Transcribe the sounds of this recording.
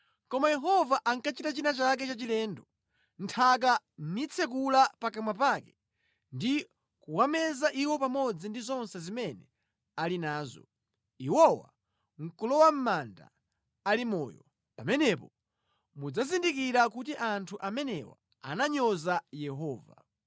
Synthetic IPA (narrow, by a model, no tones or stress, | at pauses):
kɔmajɛɦɔvaʔaŋkat͡ʃitat͡ʃinat͡ʃak̬ɛt͡ʃat͡ʃilɛːndɔ | ntʰak̬a | m̩nit͡sʰɛk̬ulapakamwap̬akɛ | ndi | kuwamɛzaʔiwɔpamɔd͡zindizɔnsɛzimɛnɛ | alinaːzɔ̰ | iwɔwa̰ | ŋ̩kulɔwam̩manda̰ | alimɔ̰ːjɔ | pamɛnɛpɔ | mud͡zazindikiɾakutiʔantʰuʔamɛnɛ̰wa̰ | a̰naɲɔzajɛɦɔːva̰